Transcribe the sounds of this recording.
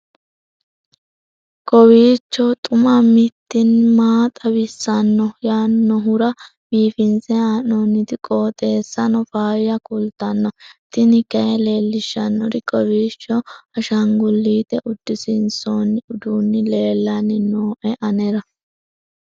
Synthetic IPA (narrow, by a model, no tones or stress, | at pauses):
kʼɔwiːt͡ʃːɔt̪ʼʊmɐmɪt̪ːɪnmaːt̪ʼɐbɪsːɐnːɔjaːnːɔɦʊɾɐ | b̥iːfɪnsɛaːnonːɪd̪ɪkʼoːt̪ʼe̞ːsːɐnɔfaːjjɐkʊlt̪ːɐnːɔt̪ɪnɪkɐjɛle̞ːlːɪʃːɐnːɔɾɪkʼɔwiːt͡ʃːɔɐʃɐŋɡʊlːiːt̪ɛʔʊd̪ːɪsɪnsoːnːɪʊd̪unːɪle̞ːlːɐnːɪnoːʔɛʔɐnɛɾɐ